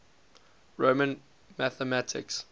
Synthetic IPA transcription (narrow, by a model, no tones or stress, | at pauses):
ɹomə̃n | mæθəmætʰɪ̰ks